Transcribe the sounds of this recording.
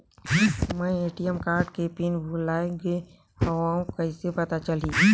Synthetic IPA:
mɛ̃eːʈijəmkaːɾɖkepinbʱolaːeɡe | həʋaõkəisepət̪at͡ʃəlĩː

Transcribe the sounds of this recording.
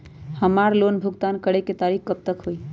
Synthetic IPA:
həmaɾlonbʱuɡt̪ankəɽeket̪aɾikkəp̚t̪əkɦoj

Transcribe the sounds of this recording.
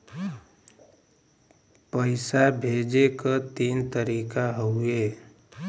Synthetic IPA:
pəɪsabʱeːd͡ʒekat̪iːnt̪əɾiːkaɦoeː

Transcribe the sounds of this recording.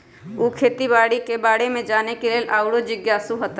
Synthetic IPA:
uːkʰeːt̪ibaːɽikebaːɽemẽd͡ʒaːnekeleːlʔaːʊɽod͡ʒɪɡjaːsuɦət̪

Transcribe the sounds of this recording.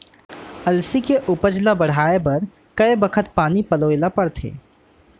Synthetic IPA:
ɐlsikeʔʊpəd͡ʒlabɐɽ̤aːebɐɾ | kɐebəkʰət̪paːnipɐloːelapɐɽt̪ʰḛː

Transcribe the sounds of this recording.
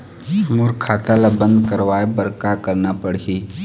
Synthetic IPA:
ʃmuɾkʰaːt̪alabə̃nd̪kəɾʋaːebəɾkakəɾnapəɽi

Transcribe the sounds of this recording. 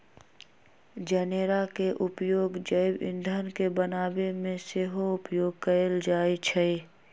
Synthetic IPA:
d͡ʒɛneɾakeʔʊpjoːɡd͡ʒəɪbɪ̰̃nd̪ʱənkebənaːbemẽseɦoʊpjoːɡ̚kəeld͡ʒaːit͡ʃʰɛi

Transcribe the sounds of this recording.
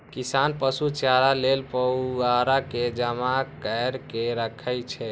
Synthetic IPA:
kisanpəsut͡ʃjaɾalelpəaɾaked͡ʒəmakəjɾkeɾəkʰəjt͡ʃʰɛ

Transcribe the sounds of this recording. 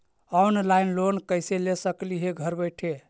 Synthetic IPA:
ɔnlaɪnlonkəɪselesəkliɦeɡʱəɾbəjʈʰe

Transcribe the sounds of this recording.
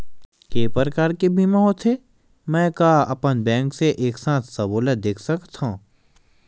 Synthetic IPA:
keːpəɾkaːɾkebʱiːmãɦot̪ʰe | mɛ̃ːkaɐ̰pənbɛ̃ːŋkseʔeːksãːt̪ʰsɐboːləd̪eːkʰsəkt̪ɦõ

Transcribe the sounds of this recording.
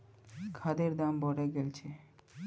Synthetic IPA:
kʰad̪eɾd̪ambɔɽeɡelt͡ɕʰe

